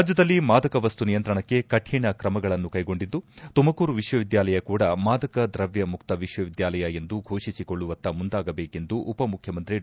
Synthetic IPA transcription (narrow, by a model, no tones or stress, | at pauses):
ad͡ʒjɐd̪ɐlːimaːd̪ɐkɐʋɐst̪unijɐnt̪ɾɐɳɐkːe̞kɐʈʰiːɳɐkɾɐmɐɡɐɭɐnːukɐjɡo̞ɳɖid̪ːut̪umɐkuːɾuʋiʃʋɐʋid̪jaːlɐjɐkuːɽɐmaːd̪ɐkɐd̪ɾɐʋjɐmuk̚t̪ɐʋiʃʋɐʋid̪jaːlɐjɐe̞nd̪uɡʱoːʂisiko̞ɭːuʋɐnt̪ːɐmund̪aːɡɐbeːke̞nd̪uʔupɐmukʰjɐmɐnt̪ɾi